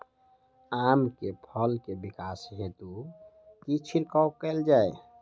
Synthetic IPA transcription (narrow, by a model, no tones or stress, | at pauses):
amkepʰəlkebikasɦet̪u | kit͡ʃʰiɾkawkɛld͡ʒae